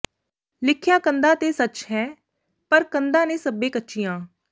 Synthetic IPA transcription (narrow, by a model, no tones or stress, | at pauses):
lɪkʰjãːkənd̪aːt̪eːsət͡ʃɦɛː | pəɾkənd̪ãːnẽːsəbːẽːkətːʃiːjãː